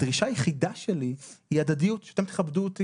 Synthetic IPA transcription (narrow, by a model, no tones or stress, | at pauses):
d̥ʁiʃajeχidaʃelihiad̪ad̪ijut̪ʃeat̪emt̪e̥χabd̪uot̪i